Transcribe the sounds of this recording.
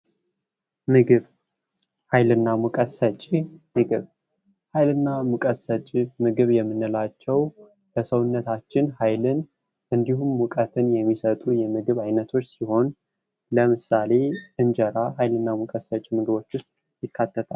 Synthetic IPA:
mɨɡɨβ | hajlɨnːamukʼəsət͡ʃʼimɨɡɨβ | hajlɨnːamukʼəsət͡ʃʼimɨɡɨβjɛmːɨnːɨlat͡ʃːɛw | bəsəwʊnːət̪ʰat͡ʃːɪnhajlɨn | ʔɨnd̪ihumwʊkʼət̪ʰɨnjɛmːisət̪ʼujɛmɨɡɨβajnət̪ʰo̞t͡ʃːsiho̞n | ləmɨsale̞ɨnd͡ʒəɾaɦajlɨnːamukʼəsət͡ʃʼimɨɡɨβo̞t͡ʃːwʊst̪̚ʼ | jɪkʰːat̪ːət̪ʰʼal

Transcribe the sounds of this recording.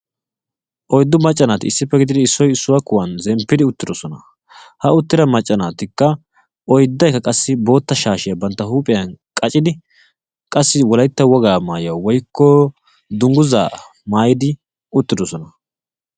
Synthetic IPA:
ʔɔjd̪ːʊmɐt͡ʃʼːɐnaːt̪ɪɪsːɪpːɛɡɪd̪ɪd̪ɪɪsːɔjɪsːʊwakʊwɐnzɛmpːɪd̪ɪʊt̪ːɪd̪ɔsɔnɐ | hɐʊt̪ːɪd̪ɐmɐt͡ʃʼːɐnaːt̪ɪkːɐ | ʔɔjd̪ːɐjkːɐkʼɐsːɪbo̞ːt̪ːɐʃaːʃɪjɐbɐnt̪ːɐhuːpʼɪjɐnkʼɐt͡ʃʼɪd̪ɪ | kʼɐsːɪwɔlɐjt̪ːɐwɔɡaːmaːjɐwwɔjkːɔ | d̪ʊŋɡʊza̰ː | maːjɪd̪ɪ | ʊt̪ːɪd̪ɔsɔnɐ

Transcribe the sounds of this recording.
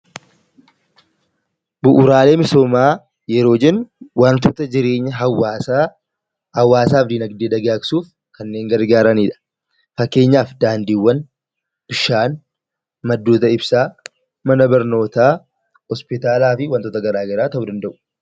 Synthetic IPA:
bʊʔʊɾaːle̞ːmɪsoːmaː | jɛɾo̞ːd͡ʒɛnːwaːnt̪oːt̪ɐd͡ʒɪɾe̞ːɲːɐɦɐwaː | ɐwːaːsaːfd̪iːnɐɡd̪eːd̪ɐɡaːkɪsuːf | kɐnːe̞ːŋɡɐɾɡaːɾɐniːᶑɐ̥ | fɐkːe̞ːɲːaːfd̪aːnd̪iːwːɐn | b̥ɪʃaːn | mɐd̪ːoːt̪ɐɪbsaː | mɐnɐbɐɾno̞ːt̪aː | hɔspɪt̪aːlaːfɪwaːnt̪oːt̪ɐɡɐɾaːɡɐɾaːt̪ɐʔʊd̪ɐnd̪ɐʔʊ̥

